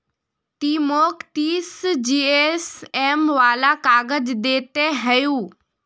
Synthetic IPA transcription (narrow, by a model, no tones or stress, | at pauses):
t̪imoːkt̪iːsd͡ʑiːesemʋaːlakaːɡəd͡ʒd̪eːt̪eɦəjũː